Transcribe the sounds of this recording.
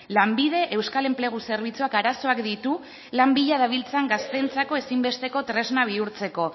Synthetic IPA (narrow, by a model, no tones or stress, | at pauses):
lambið̞e̞ʔewskale̞mple̞ɣ̞use̞ɾβ̞it͡suakaɾaso̞akd̪it̪u | lambiʎaðaβ̞ilt͡saŋɡast̪e̞nt͡sako̞e̞simbe̞st̪e̞ko̞t̪ɾe̞znaβ̞iuɾt͡se̞ko̞